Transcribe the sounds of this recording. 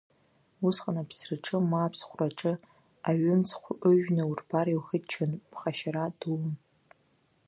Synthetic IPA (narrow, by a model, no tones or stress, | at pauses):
usqʼanapʰsrɨʈ͡ʂʼɨmapʰsχʷraʈ͡ʂʼɨ | aɥʊmt͡sʰχʷʔɨʒnɨurbaɾiwxətt͡ʃʰanpʰχaʃaɾadum